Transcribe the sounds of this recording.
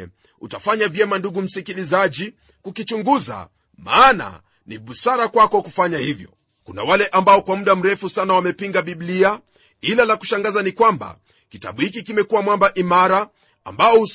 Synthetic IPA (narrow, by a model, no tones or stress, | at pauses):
ɛ | ṵtafaɲavjɛmanduɡum̩sikilizaʄi | kukit͡ʃuŋɡuza̰ | maːna̰ | niɓusaɾakwakɔkufaɲahivjɔ̰ | kuna̰walɛʔambaɔkwamuɗam̩ɾɛfusanawamɛpiŋɡaɓiɓlia | ilalaku̥ʃaŋɡazanikwamba̰ | kita̰ɓuhikikimɛkuwamwambaʔimaɾa | ambaɔu